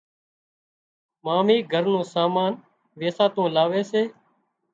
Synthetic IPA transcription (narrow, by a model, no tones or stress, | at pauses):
maːmiːɡʱəɾnõːsaːmaːn | ʋeːsaːt̪õːlaːʋeːseː